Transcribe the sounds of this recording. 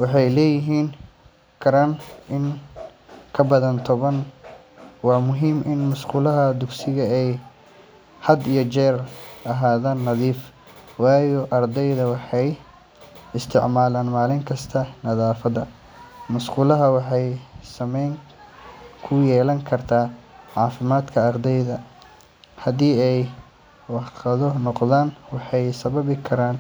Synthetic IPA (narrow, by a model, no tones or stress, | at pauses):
wɑħɑjlɛːjɪɦiːn | kʰɐɾanʔɪn | kʰɐbɐðɐnt̪ʰɔβɐn | wɑːmʊɦiːmʔɪnmʊʃquːlɐɦɐd̪ʊɡsɪɣɐɛj | hɐd̪ijɔt͡ʃɛːrʔɐɦaːðaːnːɐðiːf | wɑːjɔʔɐrd̪ɛjðɐwɑħɑj | ɪst̪ʰɪ̰ʕmaːlaːnmaːlɪŋkʰɐst̪ʰɐnɐðaːfɐðɐ | mɐsquːlɐɦɐwɑħɑjsɐmɛjŋ | kʰʊjɛːlɐŋkʰɐrt̪ʰaːʕɑːfɪmaːd̪kʰɐːrd̪ɛjðɐ | hɐd̪iːɛj | wɑqɐðɔnɔqðaːnwɑħɑjsɐβɐβɪkʰɐɾaːn